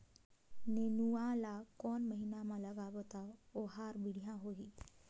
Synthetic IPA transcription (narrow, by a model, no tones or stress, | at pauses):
nenuãlakɔnməɦinamaləɡabɔt̪aɔɦaɾbiɽ̤jãɦoɦi